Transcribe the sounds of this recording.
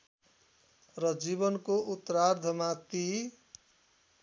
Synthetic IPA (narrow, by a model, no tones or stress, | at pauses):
rʌd͡ziβʌnkoʔut̪ːɾard̪ʱʌmat̪i